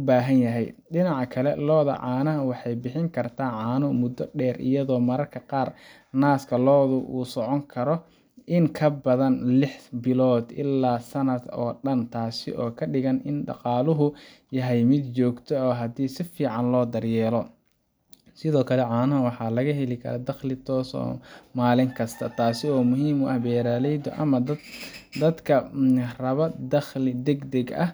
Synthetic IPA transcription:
ʊbaːɦɐnjɐɦɛjɖɪnɑʕɑkʰɐlɛ̰lɔːðɐ̰ʕɑːnɐɦɐwɑħɑjbɪħɪŋkʰɐrt̪ʰaːʕɑːnʊmʊd̪ːɔɖɛːrɪ̰jɐðɔːmɐɾɐrkʰɐqɑːr | naːskʰɐlɔːðʊʔuːsɔʕɔŋkʰɐɾɔ | ɪŋkʰɐbɐðɐnlɪħbɪlɔːd̪ɪ̰lːaːsɐnɐd̪ɔːɖɐnt̪ʰaːsɪ̰ʔɔːkʰɐɖɪɣɐnɪnɖɑ̰qɑːlʊɦʊ | jɐɦɛjmɪd̪t͡ʃɔːɡt̪ʰɔɔːɦɐd̪iːsɪfiːʕɑnlɔːd̪ɐrjɛːlɔ | sɪðɔːkʰɐlɛʕɑːnɐɦɐwɑħɑːlɐɣɐɦɛlɪkʰɐ̰ɾɐd̪ɐχlɪt̪ʰɔːsɔ̰ːmaːlɪŋkʰɐst̪ʰɐt̪ʰaːsɪɔːmʊɦiːmʊʔɐhbɛːɾaːlɛjd̪ɔʔɐ̰mɐd̪d̪ɐd̪kʰɐrɐβɐd̪ɐχlɪd̪ɛɡd̪ɛɡɐh

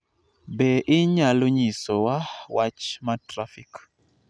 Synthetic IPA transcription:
bɛʔɪɲaloɲisowawat͡ʃmatɾafik

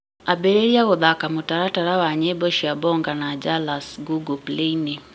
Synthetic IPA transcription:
abɛɾeɾiaɣoðakamotaɾataɾawaɲɛbɔʃiabɔŋɡanad͡ʒalasɡuɡɔpleine

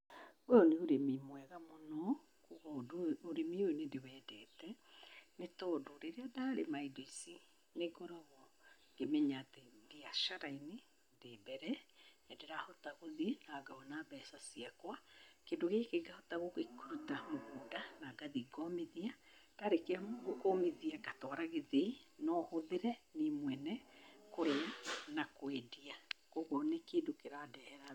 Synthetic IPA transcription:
ojɔneoɾemimwɛɣamonɔ | koɣɔdooɾemioenedewɛːdɛːtɛnetɔdoɾeɾeadaːɾemaidoisi | neɡɔɾɔβɔ | ŋɡ̥emɛɲaːtedeaʃaɾaine | debɛɾɛnɛdeɾahɔtaɣoðinaɡaɔnabɛsasiakwakendoɣekeɡahɔtaɣokekuɾutamoɣuːndanaɡaðiɡɔmeðia | taɾekeaɡokomeðiaɡatɔɾaɣeðenɔhoðeɾɛnemwɛnɛkoɾenakwediakoɣɔnekeːndokeɾadɛhɛɾa

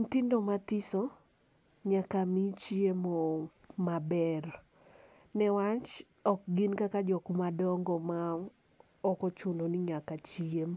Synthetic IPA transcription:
n̩tindomatɪsɔ | ɲakamit͡ʃiemɔ | mabɛr | nɛwat͡ʃ | ɔk̚ɡɪnkakad͡ʒɔkmadɔŋɡɔma | ɔkɔt͡ʃundoniɲakat͡ʃiem

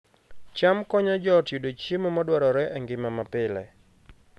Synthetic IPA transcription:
t͡ʃamkɔɲad͡ʒɔtjodot͡ʃemomɔdwaɾɔɾɛʔɛŋɡɪmamapɪlɛ̰

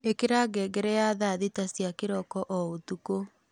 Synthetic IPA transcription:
ekeɾaːɡɛːɡɛɾɛjaːðaðitasjakeɾɔkɔʔɔotuko

